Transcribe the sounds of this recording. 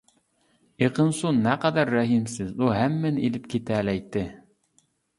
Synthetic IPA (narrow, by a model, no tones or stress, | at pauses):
eqɤ̆nsunːæqɑd̪æɾːæɦimsɪzuɦæmːɘnilɪp̚kʲit̪ælæjt̪ːɪ